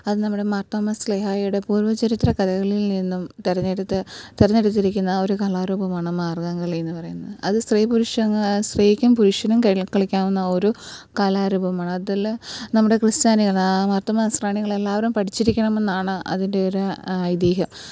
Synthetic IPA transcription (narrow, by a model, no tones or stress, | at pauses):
ɐðɨnɐmːuɽe̞mɐrt̪ːɐmɐsleɦaːjuɽe̞puːrʋɐt͡ɕeɾit̪ːrɐkɐðɐɣɐɭilninːumt̪eɾɐeɽt̪ːɨt̪eɾɐnːeɽut̪ːiɾikʲːunːɐo̞ɾukalaːɾuːbɐmaːɳɨmaːrɡɐŋɡɐɭenːɨpɐrɐjunːɐðɨʔɐðɨst̪riːpuɾuʂɐŋst̪riːikʲːumpuɾuʂjɐnumkɐkɐɭikʲːaːmunːɐo̞ɾukɐlaːɾuːbɐmaːɳɨɐðilnɐmːuɽe̞krɨst͡ɕaːniɣɐɭmɐrt̪ːɐmɐsraːɳiŋːɐɭe̞lːaːʋɐɾumpɐʈʰit͡ɕːiɾikʲːɐɳɐme̞nːaːɳɨʔɐ̰ðinde̞oɾuɐjd̪iːɦɐm